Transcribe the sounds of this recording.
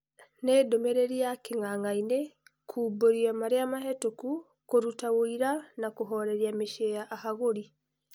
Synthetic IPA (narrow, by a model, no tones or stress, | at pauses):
nedomeɾeɾiakeŋaŋaine | kʰuːboɾiamaɾeamaɦetoku | koɾutawoiɾanakoɦɔɾɛɾiameʃeaʔahaɣoɾi